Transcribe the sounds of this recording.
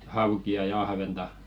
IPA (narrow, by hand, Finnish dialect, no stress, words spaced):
hɑukiɑ jɑ ɑhʋentɑ